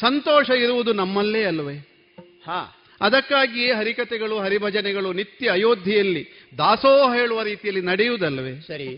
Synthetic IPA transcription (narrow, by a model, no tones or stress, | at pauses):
sɐnt̪oːʂɐiɾuʋud̪unɐmːɐlːeːɐlːɐʋe | ha̰ː | ɐd̪ɐkːaːɡieɦɐɾikɐt̪ɛɡɐɭuɦɐɾibʱɐd͡ʒɐnɛɡɐɭunit̪ːjɐɐjoːd̪ʱjijɐlːi | d̪aːsoːɦɐejːɭuʋɐɾiːt̪ijɐlːinɐɽɛjud̪ɐlːɐʋeːsɐɾi